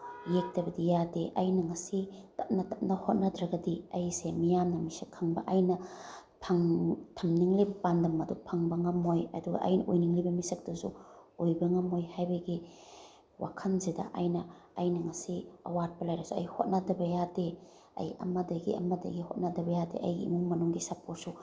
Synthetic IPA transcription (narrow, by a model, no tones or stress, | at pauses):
jek̚dɐbɐdijadeʔɐjnɐŋɐsitɐp̚nɐtɐp̚nɐhot̚nɐdɾaɡɐdiɐjsemijamnɐmisɐkʰːaŋbɐ̰ʔɐjnɐ | pʰaŋtʰɐmniŋlibɐpandɐmɐdupʰaŋbɐŋɐmojɐ̰duɡɐ̰ʔɐ̰jnɐʔojniŋlibɐmisɐk̚dɐsṵojbɐŋɐmojhajbɐɡi | wʔa̰kʰɐnzedɐ̰ʔajnɐːjnɐŋɐsiɐ̰wat̚pɐlajɾasuɐjhot̚nadɐbɐjade | ɐ̰jɐ̰mɐdɐɡḭʔɐ̰mɐdɐ̰ɡiho̰t̚nadɐbɐjadḛʔɐ̰jɡiimuŋmɐnuŋɡisɐpot̚su